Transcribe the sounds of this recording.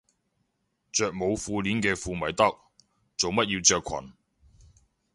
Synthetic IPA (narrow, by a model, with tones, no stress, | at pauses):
t͡ʃœː˨k̚mo˨˧wfuː˧liː˨˥nkɛː˧fuː˧mɐ˨˩jt̪ɐ˥k̚ | t͡so˨wmɐ˥t̚jiː˧wt͡ʃœː˨˧kʰɐ̰˨˩n